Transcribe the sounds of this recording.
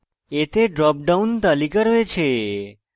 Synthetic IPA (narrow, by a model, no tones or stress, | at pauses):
et̪eɖɾɔp̚ɖaunt̪əlikəɾʋet͡ʃʰe